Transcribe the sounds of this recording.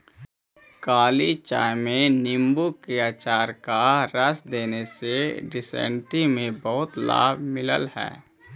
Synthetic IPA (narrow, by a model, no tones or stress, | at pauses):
kaːlit͡ʃa̰ːjmẽnɪmbukɪaːt͡ʃaːɾkaɾəsd̪eːneseɖɪsɛ̰̃ːɳʈimẽbəɦʊt̪la̰ːbʱmɪlə̰lhɛ̰ː